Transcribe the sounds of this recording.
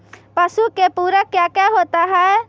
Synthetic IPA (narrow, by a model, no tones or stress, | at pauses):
pəsukepuɾəkjakjaɦot̪aɦɛe